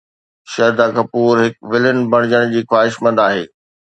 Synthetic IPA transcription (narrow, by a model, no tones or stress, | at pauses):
ʃɐɾd̪aːkɐpuːɾɦɪkʋɪlɪnbʱɐɽ̃ɪd͡ʑəɽ̃d͡ʑiːxwaːɦɪʃmɐ̃nd̪aːɦeː